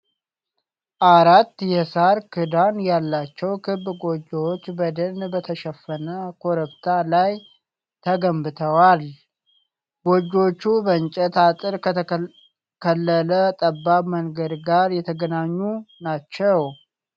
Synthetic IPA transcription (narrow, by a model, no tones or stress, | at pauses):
ʔaɾat̪ːjɛsaɾkʰɨd̪anjalːat͡ʃːɛwkʰɨbɡo̞d͡ʒːowot͡ʃːbəd̪ənbət̪ʰəʃəfːənəkʰoɾəpt̪ʰalaj | t̪ʰəɡəmbɨt̪ʰəwal | ɡ̥od͡ʒːo̞t͡ʃːubəɨɲt͡ʃʼɛt̪ʰat̪ʼɨɾkʰə | kʰəlːələt̪ʼəbːaməŋɡəd̪ɡaɾjɛt̪ʰəɡənaɲːunat͡ʃːɛw